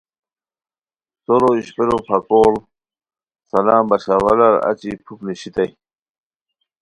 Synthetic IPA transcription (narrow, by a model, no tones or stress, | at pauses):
soɾoiɕpeɾopʰɐkoːl | sɐlãːmbɐɕawɐlɐɾɐ̰t͡ɕipʰukniɕit̪ɐj